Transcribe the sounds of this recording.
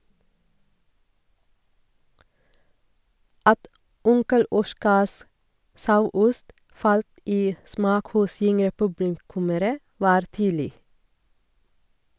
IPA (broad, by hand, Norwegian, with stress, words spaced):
ˈɑt ˈʊŋkəl ˈɔʃkɑs ˈsɑʉˌʊst ˈʔfɑlt ˈiː ˈsmɑːk ˈhʊs ˈʏŋɾə ˈpʉblɪˌkʉməɾə ˈʋɑːɾ ˈtyːdl̩ɪ